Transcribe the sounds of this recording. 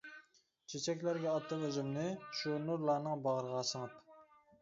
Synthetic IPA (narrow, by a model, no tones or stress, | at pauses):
t͡ʃʰet͡ʃʰɛkʲlæɾɡʲɛɑt̪ʰːəqøzɪmnɪʃunuɾlˠɑːnɨŋbɑʁəɾʁɑːsəŋɑp